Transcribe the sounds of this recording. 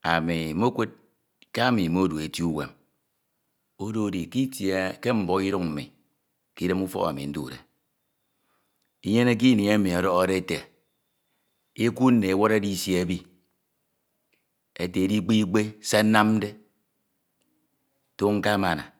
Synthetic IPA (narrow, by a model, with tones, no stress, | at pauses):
a̰˨mi˨m˦o˦kʷe˦t̚ | ka˦mi˨m˦o˦du˨e˨tju˦wḛ˨m | o˦do˦˨di˨ki˦tje˨ke˦m̩˨bɔ˦i˦ɾu˦ŋm̩˨mḭ˨ | ki˦de˦mu˦fɔ̰˦ɣa˨mḭ˨n̩˦du˦˨ɾḛ˨ | i˦je˦ne˦k̬i˦ni˨e˦mi˨ɔ˨ɾɔ˦ɣa˦de˦te˨ | e˦ku˦n̩˦ne˨e˨˦wo˦ɾe˦di˦˨sje˦˨bi˦ | e˦te˨e˨˦di˦k͡pi˦i˦k͡pe˦sa˦na˦m̩˦de˦ | to˦ŋ̩˦ka˦ma˨na̰˨